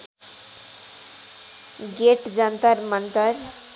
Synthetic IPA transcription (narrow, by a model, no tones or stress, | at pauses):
ɡeʈd͡ʒənt̪əɾmənt̪əɾ